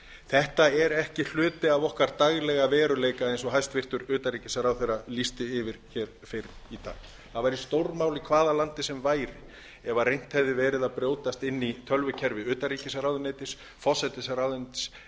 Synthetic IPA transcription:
θɛht̪aɛɾɛhcɪɬʏːt̪ɪavɔhkaɾt̪aɣlɛɣavɛːɾʏleːjkaðejnsɔɦajst̪vɪr̥t̪ʏɾʏːt̪ariːcɪsaɾawθejɾalist̪ɪɪvɪɾ̥çɛːɾ̥ | fɪɾit̪a̰ːɣ | θaðvajɾist̪owɾmawlikʰvaːðalant̪ɪsɛmvaːjɾɪ | ɛvarejn̥t̪hɛvðɪvɛːɾɪðapɾjoːwt̪ast̪ɪnːit̪ʰœlvʏcʰɛɾvɪʏːt̪ariːcɪsaɾawðʏneːt̪ɪs | fɔsɛt̪ɪsaɾawðʏnt̪s

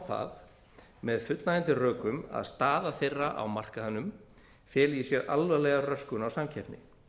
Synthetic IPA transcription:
θa̰ð | mɛðfʏt̪laðɪnt̪ɪrœːkʏma̰ðst̪aːðaθejrːaʔa̰wmar̥kahanːʏm | fjɛːlisjɛɾalvɛlɛɣarœskʏnawsamcʰɛpnɪ̰

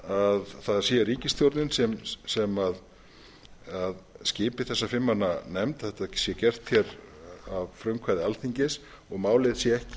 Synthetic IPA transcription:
aðθaðsjɛːɾiːcɪst̪jowɾt̪nɪnsɛmsɛmað | aðscɪːpɪθɛsːafɪmːanːanɛmt̪aθɛht̪ḁsjɛcɛr̥t̪θçjɛɾavfɾœɥŋkʰvaːjðɪalθiɲcɪs | ɔɣmaːwlɪðsjɛɛhcɪ̥

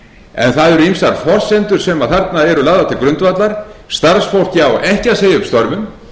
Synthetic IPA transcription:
ɛ̰nθaðɛɾʏimsaɾ̥fɔr̥sɛnt̪ʏɾ̥sɛmaðθaɾt̪naɛɾʏlaːɣðat̪ʰɪlkɾʏnt̪vat̪laɾ̥st̪aɾsfowl̥cɪawɛhcaseːjɪʏpst̪ɔɾvʏm

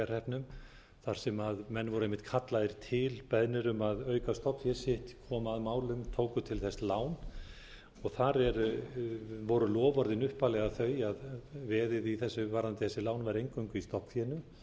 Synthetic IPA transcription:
aɾ̥ɛhpnʏm | θaɾ̥sɛmaðmɛnːvɔɾejmːɪht̪kʰat̪laðɪɾ̥t̪ʰɪlpɛðnɪɾʏmaðœːɥkast̪ɔpfjɛsɪht̪kʰɔːmaðmaːwlʏmt̪ʰoːwkʏt̪ʰɪlθɛslaːwn | ɔɣθaɾɛɾ | vɔɾʏlɔːvɔɾðɪnʏhpalɛɣaθœɥjaðvɛːðɪðiθɛsːʏvaɾant̪ɪθɛsɪlaːwnvaɾejŋkœɥŋkʏist̪ɔhpθjɛnʏm

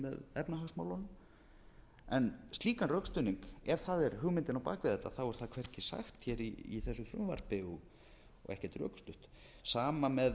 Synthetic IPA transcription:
mɛ̰ðɛpnaɦaɣsmaːwlan | ɛnst̪iːkanrœkst̪ʏniŋkɛɾ̥θaðɛɾhʏɣmɪnt̪ɪnawpa̰ːkvɪðɛt̪ːaθawɛɾ̥θaðkʰvɛr̥cɪsa̰xt̪çɛɾḭːθɛsːʏθɾʏmːva̰ɾ̥pɪɔɣ | ɔ̰ɣɛ̰hcɛɾ̥t̪ɾœ̰kst̪ʏht̪ | saːmamɛð

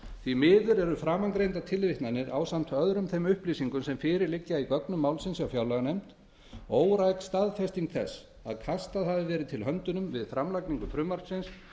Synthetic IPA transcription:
θimɪːðʏɾɛɾʏfɾaːmaŋkɾejnt̪at̪ʰɪlvɪht̪nanɪɾa̰wsam̥t̪œðɾʏmθejmʏhpliːsiŋkʏmsɛmfɪːɾɪɾlɪcːaikœknʏmːaːwlsɪnsawfjawlaɣnejm̥t̪ | oːwɾajkst̪aðfɛst̪iŋkθɛsː | a̰ðkʰast̪aðθaðɪvɛːɾɪt̪ʰɪlɦœnt̪ʏnʏmvɪðfɾamlajkniŋkʏfɾʏmːaɾ̥t̪sɪns

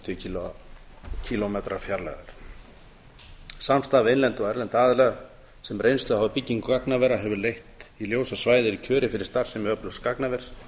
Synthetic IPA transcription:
t̪ʰʏcʰil | cʰilɔmɛt̪ɾafjaɾla̰vɛɾ̥ | samst̪aːvɪejnlɛnt̪ɔɣɛɾlɛnt̪aːðʏlɛɣa | sɛmrejnst̪lʏhɦavʏpicːiŋkkaknavɛɾaɦɛvʏɾlejht̪iljoːwsasvaːjðɪɾicʰœːɾɪfɪɾɪɾ̥st̪aɾ̥sɛmɛœplʏwskaknavɛɾ̥s

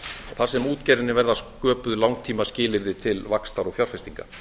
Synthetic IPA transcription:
ɔɣθaɾ̥sɛmuːt̪cɛɾɪnɪvɛɾðaskœːpʏðʏlawŋ̚t̪ʰiːmascɪːlɪɾðɪt̪ʰɪlvakst̪awɾɔɣfjawɾ̥fɛst̪iŋka

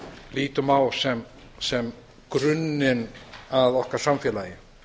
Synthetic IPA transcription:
liːt̪ʏmawsɛm | sɛm | kɾʏnːɪnaðɔhkaɾ̥samfjɛːlajɪ

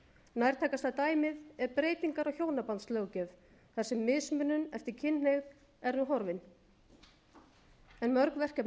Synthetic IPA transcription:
najɾ̥t̪ʰaːkast̪at̪aːjmɪðɛɾpɾeːjt̪iŋkaɾɔɣçjoːwnapant̪slœːwcɛv | θḁsɛmːɪsmʏnːʏnɛft̪ɪɾcʰɪnneɣð | ɛɾnuɦɔɾvɪn | ɛnmœɾkvɛr̥cɛp

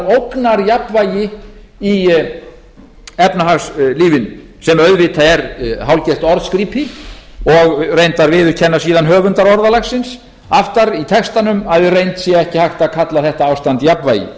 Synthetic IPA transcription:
owknaɾjapvaːjɪ | i | ɛpnaɦasliːvɪn | sɛmœɥðvɪːt̪ʰaɛɾhawlcɛst̪ɔɾðskɾiːpɪɔɣrejnt̪aɾvɪðʏɾcʰɛnːasiːðanɦœːvʏnt̪aɾɔɾðalaxsɪns | aft̪aɾit̪ʰɛkst̪anʏmaððɪrejnt̪sjɛɛhcɪhajxt̪aðkʰat̪laθɛht̪aaːwst̪ant̪japva̰jɪ̰

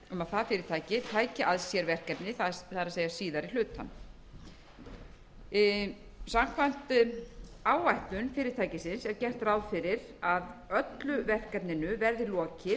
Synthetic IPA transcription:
ʏmaðθafɪːɾɪɾ̥t̪ʰaːjcɪt̪ʰaːjcɪʔaðsjɛɾvɛr̥kɛpnɪθaθaðɾaseːjasiːðaɾil̥ʏːt̪ʰa̰n | sam̥kʰvam̥t̪ | aːwajht̪ʏnfɪːɾɪɾt̪ʰajcɪsɪnsɛɾcɛr̥t̪rawðfɪɾɪɾ | aðœt̪lʏvɛr̥kɛpnɪnʏvɛɾðɪlɔːcɪ

